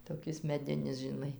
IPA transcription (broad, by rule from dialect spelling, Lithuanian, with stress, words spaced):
toːˈkʲɪs mʲɛˈdʲɪnʲɪs ʒʲɪˈnɐɪ